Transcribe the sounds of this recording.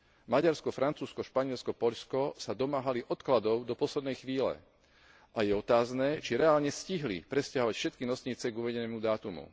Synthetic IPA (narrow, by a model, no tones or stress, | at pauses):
maɟaɾskɔfɾant͡suːskɔʃpaɲɪɛlskɔpɔʎskɔsad̪ɔmaːɦaliʔɔt̪klad̪ɔʊd̪ɔpɔslɛd̪nɛjxʋiːlɛ̰ | ʔajɛɔt̪aːznɛːt͡ʃiɾɛaːlɲɛsciɦlḭpɾɛscaɦɔʋacfʃɛt̪kinɔsɲiːt͡sɛɡuʋɛɟɛnɛːmud̪aːt̪umṵ